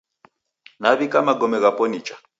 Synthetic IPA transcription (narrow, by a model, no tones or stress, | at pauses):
naβikʼamaɡɔmɛɣapʼɔnit͡ʃʼḁ